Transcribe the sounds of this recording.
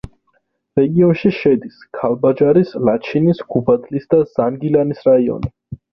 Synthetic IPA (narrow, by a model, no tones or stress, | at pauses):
ɾɛɡiɔnʃiʃɛd̪iskʰalˠbad͡ʒaɾislat͡ʃʰinisɡ̥ubad̪lisd̪azaŋɡilanisɾaiɔ̰ni